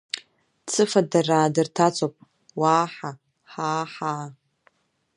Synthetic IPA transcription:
t͡sʰɨfadaraːdɨrtʰat͡sʰopʼ | waːħa | ħaːħaː

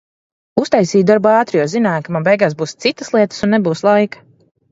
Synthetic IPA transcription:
ust̪ajsiːd̪aɾbuaːt̪ɾijɔzinaːjkamabɛjɡaːsbuːst̪sit̪əslˠiɛt̪ə̥sunːebuːslˠajkḁ

